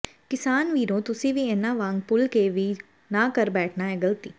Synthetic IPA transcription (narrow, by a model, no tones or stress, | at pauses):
kɪsaːnʋiːɾõːt̪ʊsĩːʋiːeːnaːʋãːŋɡpʊlkeːʋiː | nãːkəɾbɛːʈʰnaːɦɛːɡəlt̪iː